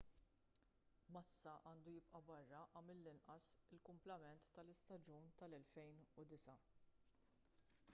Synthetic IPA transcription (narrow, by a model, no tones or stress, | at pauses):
mɐsːɐʔɐːnd̪ujɪpʔɐbɐrːɐʔɐmɪlːɪnʔɐsɪlkʊmplɐmɛnt̪ːɐlɪst̪ɐd͡ʒuːnt̪ɐlɛlfɛjnʊd̪ɪsɐ